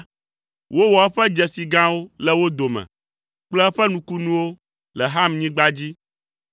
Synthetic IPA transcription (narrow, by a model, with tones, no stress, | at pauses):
wo˦wɔ˨ɛ˦ɸɛ˦d͡ʒɛ˨si˨ɡã˦wo˦lɛ˦wo˦d̪o˨mɛ̰̃˨ | k͡plɛ˦ɛ˦ɸɛ˦nũ˨ku˦nũ˦wo˦ | lɛ˨ɦa˦mɲĩ˦ɡ͡ba˦d͡ʑi˦